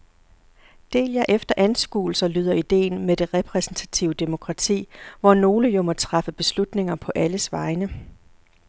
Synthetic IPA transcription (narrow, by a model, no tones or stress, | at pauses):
d̥e̝̰ːljɑʔefd̥ɐʔænsɡ̥ṵːl̩sɐlyːð̞ˠɐid̥e̝̰ːnmed̥e̝ʁɛpʰʁɛsn̩t͡sʰæ̥t͡sʰiʊəd̥e̝mo̝kʰʁɑ̈t͡sʰḭːʋɒno̝ːləjomɒt͡sʰʁɑ̈fəb̥e̝slud̥ne̝ŋɐpʰɒ̽ʔæləsʋɑ̈ɪnə